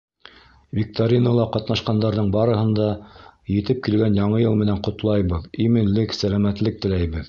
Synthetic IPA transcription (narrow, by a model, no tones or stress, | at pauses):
vʲik̚t̪oɾʲinolˠɑqɑt̪nɑʃqɑnd̪ɑɾðɤɴbɑɾɤ̆ɦɤ̆nd̪ɑjɘ̆t̪ɘp̚kilɡænjɑɴɤjɤlˠmɘ̆nænqŏt̪lˠɑjβɤðimɘ̆nlɘksælæmæt̪lɘk̚t̪ɘ̆læjβɘð